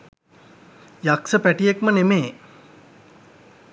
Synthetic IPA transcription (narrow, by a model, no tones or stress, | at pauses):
jaksəpæʈijekmənemeː